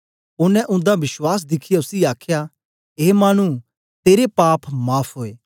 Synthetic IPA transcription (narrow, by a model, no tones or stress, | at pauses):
ʊnːɛ̃ʔʊ̃nd̪abɪswaːs̬d̪ɪkʰɪjaʊsiaːkʰja | eːmaːɽ̃ñũ | t̪eːɾepaːpʰmaːpʰɦoːeː